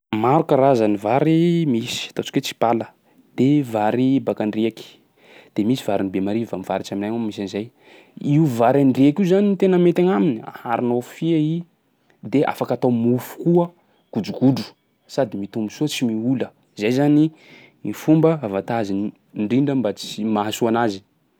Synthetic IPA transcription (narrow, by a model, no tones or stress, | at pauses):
maɾukəɾazanivaɾimisi̥ḁt̪at͡ʃi̥ket͡si̥palə | d̪̥evaɾibakaɳɖ͡ʐiaki̥ | d̪̥emisivaɾinibemaɾivamivaɾit͡ʃaminajŋammisanizaj | iuvaɾanɖ͡ʐiakiuzanit̪enəmet̪aŋaminia̰a̰ɾinofiai | d̪eʔa̰fakat̪awmufu̥kuə | kud͡ʒukuɖ͡ʐu̥ | sad̪imit̪umbusuət͡simiulə | zajzani | mifumbəavat̪azin | ɳɖ͡ʐiɳɖ͡ʐəmbat͡simaɦasuanazi